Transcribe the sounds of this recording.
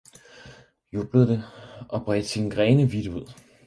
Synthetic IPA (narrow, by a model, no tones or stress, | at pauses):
job̥ləðˠd̥eɒ̽b̥ʁɛd̥sinɡ̥ʁɛːnəʋid̥əuð̰ˠ